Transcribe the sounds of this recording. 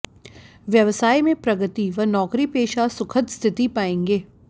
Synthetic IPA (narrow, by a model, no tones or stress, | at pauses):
ʋjɐʋsaːimẽpɾɐɡət̪iʋɐnɔːkɾipeːʃasʊkʰət̪st̪ʰɪt̪ipaːẽːŋɡeː